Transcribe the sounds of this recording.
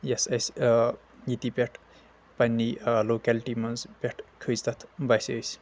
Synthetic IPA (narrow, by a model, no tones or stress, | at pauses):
jesɐs | jit̪ipʲeʈʰ | pɐnʲːilokalʈimɐnzpʲeʈʰkʰɨzt̪ɐt̪ʰbɐjsəjs